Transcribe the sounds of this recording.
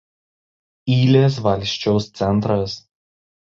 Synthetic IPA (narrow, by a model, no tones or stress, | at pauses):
iːlʲeːs̬ʋɐlʲˑʃʲt͡ʃʲɛʊst̪sʲɛnˑt̪ɾɐs